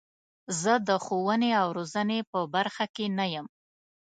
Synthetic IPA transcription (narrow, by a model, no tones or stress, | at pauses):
zəd̪əxowəneawɾozənepəbaɾxakenajəm